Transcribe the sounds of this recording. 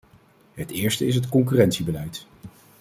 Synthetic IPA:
ɦətɪːɹstəɪs̬ɦətkɔŋk̬yːrɛntsibəlɛjt

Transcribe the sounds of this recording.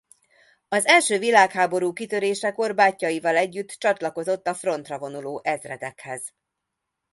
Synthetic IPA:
ɒzɛlʃøːvilaːkhaːbo̞ɾuːkit̪ø̞ɾeːʃɛko̞rbaːcːɒjivɒlɛɟːyt̪ːt͡ʃɒt̪lɒko̞zo̞t̪ːɒfro̞nt̪rɒvo̞nuloːʔɛzrɛ̰d̪ɛkhɛz̥

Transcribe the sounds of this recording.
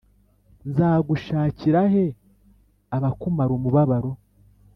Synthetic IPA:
nzaːɡuʃaːciɾaɦe̞ | aβakumaɾomuβaβaɾo̞

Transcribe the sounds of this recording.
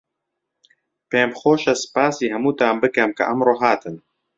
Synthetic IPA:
peːmxoːʃɐsɨ̥paːsiːɦɛmuːt̪aːmbɨkɛmkʰɐ̰ʔɐmroːɦaːt̪ɨn

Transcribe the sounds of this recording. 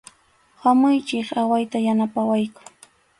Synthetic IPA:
hamʊjt͡ʃɪχawajt̪ajanapawajkʊ̥

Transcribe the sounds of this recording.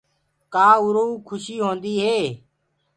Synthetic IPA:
kaːʊɾoːkʰʊʃiːɦõːnd̪iːɦeː

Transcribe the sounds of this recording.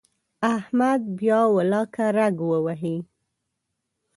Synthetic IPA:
ahmad̪̚bjɑwalɑkaɾaɡwəwaɦi

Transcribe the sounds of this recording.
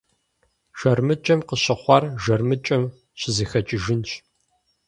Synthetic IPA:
ʒɐrmɨt͡ʃʼɐmqəɕɐχʷɑrʒɐrmɨt͡ʃʼɐm | ɕɪziːxɐt͡ʃʼɪʒɪnɕ

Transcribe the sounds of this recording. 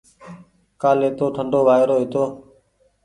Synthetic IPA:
kaːleːt̪oːʈʰəɳɖoːʋaːɾoːɦɪt̪oː

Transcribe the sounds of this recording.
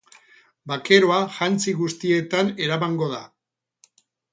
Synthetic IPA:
bake̞ɾo̞aʝant͡siɣust̪ie̞t̪ane̞ɾamaŋɡo̞ða̰

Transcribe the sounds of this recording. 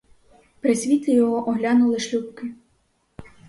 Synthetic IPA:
pɾesʲʋʲit̪ʲɪjɔɦɔʔɔɦlʲanʊlˠɪʃlʲupkɪ

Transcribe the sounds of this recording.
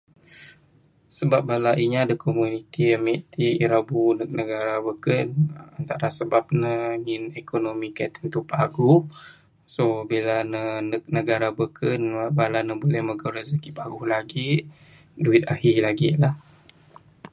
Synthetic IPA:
səbap̚balaʔiɲaːdəkomunit̪iəmiʔt̪iiɾabunək̚nəɡaɾabəkənant̪aɾasəbap̚nəŋinekonomikat̪ənt̪upaɡʊh | sobilanənək̚nəɡaɾabəkʰənabalanəbolɛhməɡaɾazakipaɡʊhlaɡi | duɪt̪̚ahilaɡilah

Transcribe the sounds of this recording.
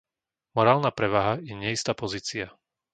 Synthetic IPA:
mɔɾaːlnaːpɾɛʋaːɦajɛɲɛist̪aːpɔziːt͡sia

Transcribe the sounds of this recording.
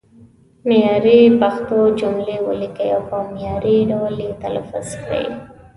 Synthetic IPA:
mjɑɾipaxt̪od͡ʒʊmlewə̰likəjawpəmjɑɾiɖawlit̪ala̰fʊska̰jḭ

